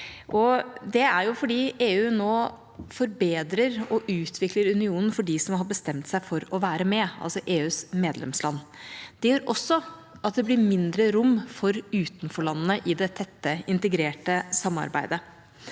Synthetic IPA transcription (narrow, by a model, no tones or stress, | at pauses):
ʔɔd̪ɛæɾjʊfɔɖiːeːʉːnoː | fɔɾbeːd̪ɾəɾɔʔʉːt̪ʰʋɪkləɾʉnɪuːnən̩fɔɖisɔmɦɑɾbəst̪ɛmt̪sæɪfɔɾɔʋæːɾəmɛɑ̰lsɔʔeːʉːsmeːd̪lɛ̰mslɑnːd̪̥ɛjøːɾʔɔsːɔ | ɑt̪̚d̪ɛblɪɾmɪnd̪ɾəɾʊmːfɔɾʉːt̪nfɔɭɑnːənəʔɪd̪ɛt̪ʰɛt̪ːəɪnt̪əɡɾeːʈəsɑmːɑ̰ɾbæ̰ɪd̪ə